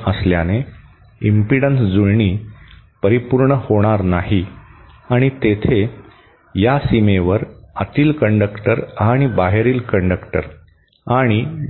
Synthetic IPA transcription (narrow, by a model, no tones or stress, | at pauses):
əsljane | impiɽənsd͡zuɭɳiː | pəɾipuɾɳəhoɽ̃aɾnaɦi | aɽ̃it̪et̪ʰe | jasimeʋəɾat̪iːlkəɳɖəkʈəɾaɽ̃ibaɦeɾiːlkəɳɖəkʈəɾ | aɽ̃i